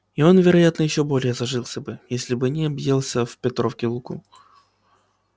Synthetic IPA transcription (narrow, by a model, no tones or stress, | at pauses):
ɪo̞nvʲɪɾɐjat̪nəjɪɕːo̞bo̞lʲɪjəzɐʐɨlˠsʲəbɨjesʲlʲɪbɨnʲɪɐbjelˠsʲəfpʲɪt̪ɾofkʲɪlˠukṵ